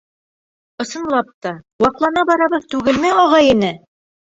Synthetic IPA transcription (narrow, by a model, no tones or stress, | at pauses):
ŏsɤ̆nlˠɑp̚t̪ɑwɑqlˠɑnɑbɒɾɑβɤðt̪ʉɡɘ̆lmæɑʁɑjinɘ